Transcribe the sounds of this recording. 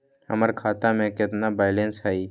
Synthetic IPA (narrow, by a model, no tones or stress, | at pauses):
hə̰məɾkʰaːt̪amẽkɪt̪nabaːɪlẽnsɦɛi